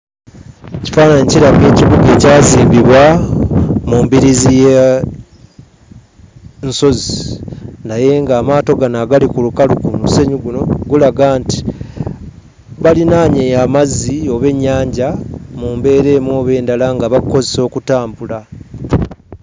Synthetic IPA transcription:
eci̥faːnaɲeciɾaβe̞ːciβuɡe̞ːcaːziːmbiβwa | muːmbiɾizije | nso̞zi | naje̞ŋɡaːmaːto̞ɡanaɡalikulukalukumuse̞ɲuɡuno̞ɡulaɡaːnti̥ | βalinaːɲejamazːio̞βe̞ɲːaːɲɟamuːmbe̞ːɾe̞ːmwo̞βe̞ːndalaŋɡaβako̞zeso̞ːkutaːmbula

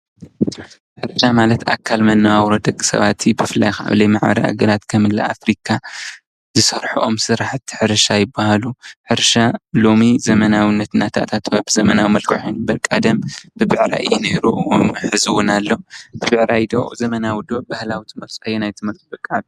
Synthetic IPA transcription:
ħɨɾʃamalɐt̪ʰa̰kʰːalmɐnːɐwawɾod̪ɐkʼːi̥sɐ̰βat̪ʰibɨfɨlːa̰jxaʔa̰βlɐjmaʕbɐ̰ɾḭʔa̰ɡɐɾat̪kʰɐmɨlːa̰ʔa̰fɾikʰa | zɨsɐɾħuʔo̞msɨɾaħt̪ʰːi̥ħɨɾʃajɪbːahaluħɨɾʃalo̞mizɐmɐnawinːɐt̪nːat̪ʰa̰t̪ʰat̪ʰːwabɨzɐmɐnawimɐlkʰɨħonɨbɐɾkʼad̪ɐmb̥ɨbɨʕɾa̰ʔɨ̰jːɛne̞ɾuʔħɨzɨwnalːo̞bɨβɨʕɾajd̪o̰ʔzɐmɐnawud̪oʔbahlawit̪ʰɨmɐlt͡sʼajːenajt̪ʰɨmɐlt͡sʼubɨkʼːaʕd̪i

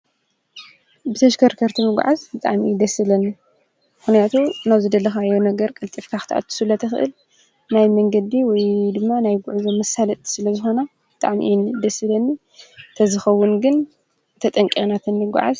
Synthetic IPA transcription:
bɨt̪ʰɐʃkʰɐɾkʰɐɾt̪ʰimɨɡ̰ʷʕazbɨt̪ʼa̰ʕmid̪ɐsɨlɐnːi | mɨxnijat̪ʰunaβzɨd̪ɐlːɐxajːonɐɡɐɾkʼɐlt̪ʼifkʰaxɨ̥t̪ʰʔa̰t̪ʰːɨ̥sɨlɐt̪ʰɐxɨ̰ʔɨ̰l | najmɐŋɡɐd̪iwɔjd̪ɨmːanajɡʊʕuzomɐsalɐt̪ʼsɨlɐzɨxo̞na | b̥ɨt̪ʼaʕmiʔjnd̪ɐsɨlɐnːi | t̪ʰɐzɨxɐwːʊnɡɨn | t̪ʰɐt̪ʼɐŋkʼinat̪ʰɨnːɨɡʷa̰ʕa̰z

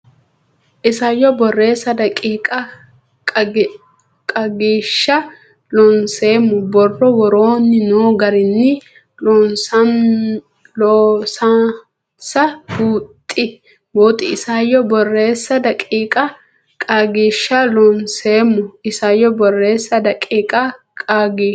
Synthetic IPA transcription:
ʔɪsɐjːɔbɔrːe̞ːsːɐd̪ɐkʼiːkʼɐ | kʼɐɡiːʃːɐ | lɔnse̞ːmːʊbɔrːɔwɔɾoːnːɪnoːɡɐɾɪnːɪ | ɔnsɐn | losɐ | sɐbuːt̪ʼːɪ | boːt̪ʼɪɪsajɔbɔrːe̞ːsːɐd̪ɐkʼiːkʼɐ | kʼɐɡiːʃːɐlɔnseːmːʊɪsɐjːɔbɔrːe̞ːsːɐd̪ɐkʼiːkʼɐkʼɐɡiː

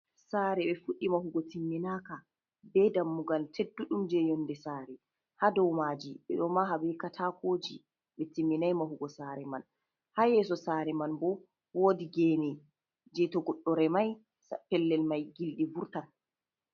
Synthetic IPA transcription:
saːɾɛɓɛfuɗimahuɡɔtimːinaːka | bɛdamːuɡaltʰedːuɗumd͡ʒɛjɔndɛsaːɾɛ | hadɔwmaːd͡ʒiɓɛɗɔmaɦabɛkatʰakoːd͡ʒi | ɓɛtimːinajmahuɡɔsaɾɛman | hajɛsɔsaːɾɛmanbɔ | woːdiɡɛnɛ | d͡ʒɛtɔɡɔɗːɔɾɛmaj | sapɛlːɛlmajɡilɗivuɾtan

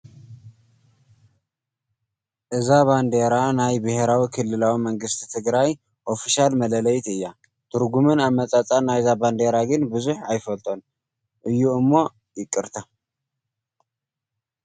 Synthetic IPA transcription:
ʔɨzaβand̪e̞ɾanajbɨhe̞ɾawikʰɨlːɨlawiməŋɡɨst̪t̪ʰɨɡɾaj | ʔo̞fiʃalmɐlələjt̪ɨjːa | t̪ʰɨɾɡumɨnamːət͡sʼat͡sʼanːajzaband̪e̞ɾaɡɨnbɨzuħajfəlt̪ʰʼo̞n | ʔɨjːuɨmːo̞ | jɪkʼːɨɾt̪ʰa

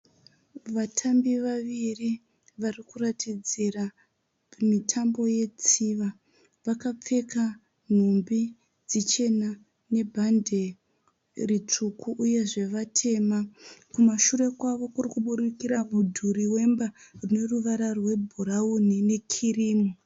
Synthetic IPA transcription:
ʋatʰambiʋaʋiri | ʋarikuratid͡zira | mitʰambo̞je̞t͡siʋa | ʋakap͡fe̞ka | n̤umbi | d͡zit͡ʃe̞na | ne̞bʱandʱe̞ | rit͡ʂukuʔːje̞ʐe̞ʋatʰe̞ːmakumaʃure̞kwaʋo̞kurikuɓuɗikiɾamudʱuriwe̞mbarune̞ruʋaɾarwe̞bʱuɾaunine̞kʰiriːmu

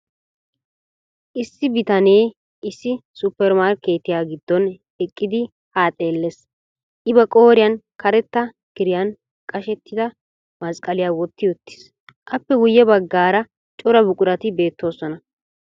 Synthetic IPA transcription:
ʔɪsːɪbɪt̪ɐneː | ɪsːɪsʊpːɛɾmaːɾkːeːt̪ːɪjaːɡɪd̪ːɔn | ɛkʼːɪd̪ɪ | haːt̪ʼe̞ːlːes | ʔɪbɐkʼo̞ːɾɪjɐnkɐɾɛt̪ːɐ | ɡ̥ɪɾɪjɐn | kʼɐʃɛt̪ːɪd̪ɐ | mɐskʼɐlɪjaːwɔt̪ːɪʊt̪ːɪ̥s | ʔɐpːɛwʊjːɛbɐɡːaːɾɐ | t͡ʃʼɔɾɐbʊkʼʊɾɐt̪ɪbe̞ːt̪ːo̞ːsɔnɐ

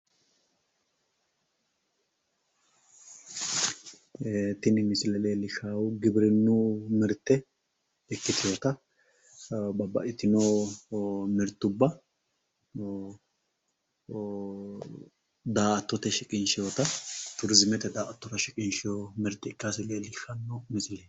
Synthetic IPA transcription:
t̪ɪnɪmɪsɪlɛleːlɪʃaːwʊɡɪbɪɾɛnːumɛɾt̪ːɛ | ɛkːɪt̪ɪjot̪ɐ | bɐbɐ̰ʔɪt̪ɪnoː | mɪɾt̪ːʊbːɐ | d̪aːɐt̪ːɔt̪ɛʃɪkʼɪnʃɪjot̪ɐt̪ʊɾzɪmɛt̪ɛd̪aːʔɐt̪ːɔt̪ɐʃɪkʼɪnʃɪjomɪɾt̪ːɛɪkːasɪleːlɪʃɐnːɔmɪsle

